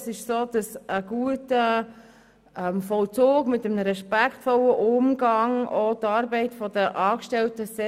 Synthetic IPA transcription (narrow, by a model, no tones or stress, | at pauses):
sɪʃsoːd̥ɑsəɡ̥uətə | ɛmfɔlt͡soːɡmɪtəməɾɛʃpækχtfɔləʔʊmɡɑŋotɑːɾbɛɪtfɔdəʔɑːkʃtɛltəsɛ